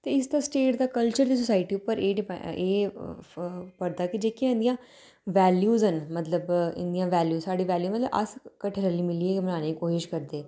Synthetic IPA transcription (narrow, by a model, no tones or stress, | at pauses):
t̪eːɪsd̪aːsʈeːʈd̪aːkəlt͡ʃəɾd̪iːs̬ʊsaːɪʈiːʊpːəɾeːɖɪpeː | pəɾd̪aːkɪd͡ʒeːkiãɪ̃nd̪ijãː | ʋɛːljuːzɦənmət̪ləbɪ̰̃nd̪ijãːʋɛːljuːzsaːɽiːʋɛːljuːmət̪ləʔə̰skəʈʰəɾəliːmɪliːeːkmənaːneːikoːʃɪʃkəɾd̪eː